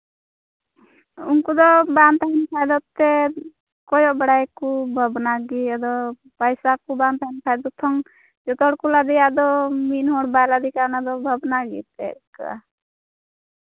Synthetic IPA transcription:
unkud̪ɔbant̪ʰaɦnpʰajd̪ɔt̪ːɛ | kɔjɔbɛɽajkubʱəbnaɡiad̪ɔ | pajsakubant̪ʰanpʰajd̪ɔt̪ʰɔŋ | d͡ʒɔt̪ɔɽkulad̪ijad̪ɔminɦɔɽbajlad̪ikanad̪ɔbʱəbnaɡḭt̪ɛka̰

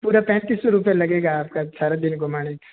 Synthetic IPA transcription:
puːɾapɛ̃ːnt̪isɾupelɐɡeːɡaːp̚kasaːɾad̪ɪnɡʊmaːɽ̃ik

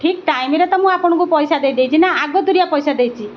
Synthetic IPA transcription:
ʈʰikʈajmiɾet̪ɔmũapɔɽ̃ɔ̃ŋkupɔjsad̪ejd̪ejt͡ʃʰinaaɡɔd̪uɾijapɔjsad̪ejt͡ʃʰi

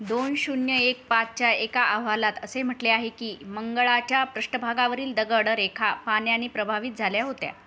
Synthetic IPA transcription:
d̪onɕunjəek̚pat͡s̚t͡ɕjaekaʔaʋ̤alat̪əsem̤əʈleaɦekiːməŋɡəɭat͡ɕjapɾəɕʈəbʱaɡaʋəɾiːld̪əɡəɽəɾekʰapanjaniːpɾəbʱaʋiːt̪̚d͡zʱaljaɦot̪ja̰

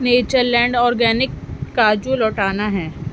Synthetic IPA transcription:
neːt͡ʃəɾlɛ̃ːɳɖɔːɾɡɛːnɪkːaːd͡ʒuːlɔːʈaːnaɦɛː

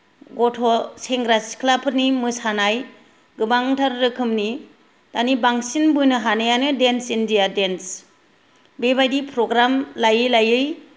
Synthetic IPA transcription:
ɡɔtʰoseŋɡɾasi̥kʰlapʰɯɾnimɯsanaj | ɡɯbaŋtʰaɾɾɯkʰɯmni | tanibaŋsinbɯjnɯɦanajanɯdensindijadens | bebajdipʰɾɔɡɾamlajɯjlajɯj

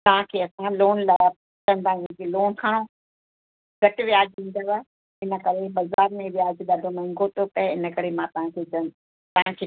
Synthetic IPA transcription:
t̪ɐɦãkʰeːɐsãloːnla | kɐ̃nd̪aːɪ̃kʰeloːnkʰaːɽ̃o | ɡɐʈʋijaːd͡ʑĩːn̆d̪aʋa | ɪnə̆kɐɾeɓɐzaːɾmẽʋijaːd͡ʑɗ̪aːdʱomɐ̃ŋɡot̪opɛɪnə̆kɐɾemãt̪ɐʋ̤ãkʰed͡ʑɐn | t̪ɐɦãkʰeː

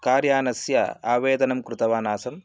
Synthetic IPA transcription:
kaːɾjaːnɐsjɐ̰a̰ːʋeːd̪ɐnɐmkɾut̪ɐʋaːnaːsɐm

